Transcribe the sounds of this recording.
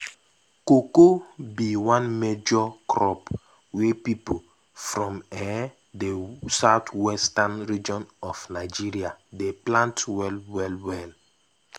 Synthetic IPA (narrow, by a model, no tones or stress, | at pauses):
kokobiwãnmed͡ʒɔkɹɔp | wepipo | fɹɔ̃mɛ | desaʊtwɛstãnɹid͡ʒɔ̃nɔfnaɪd͡ʒiɹiadeplãntwɛlwɛlwɛl